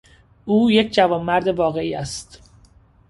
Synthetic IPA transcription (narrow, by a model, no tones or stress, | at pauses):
ʔuːjecʰd͡ʒævɒːmːæɾd̪e̞vɒːɣe̞iːæst̪